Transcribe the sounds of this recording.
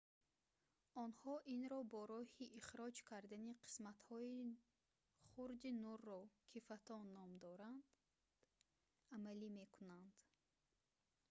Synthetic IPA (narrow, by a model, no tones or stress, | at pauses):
ɔnhɔʔinɾɔbɔɾɔhiʔːχɾɔd͡ʒkʰaɾd̪aniqʰi̥smat̪hɔi | χuɾd̪inurːɔkʰifat̪ʰɔnːɔmd̪ɔɾand̪ | amalime̞kʰunand̪̥